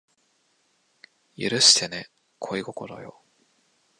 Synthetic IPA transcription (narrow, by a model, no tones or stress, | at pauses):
jɯ̟ɾɯ̟ɕi̥t̪ene | kʰo̞iɡokoɾo̰jo̰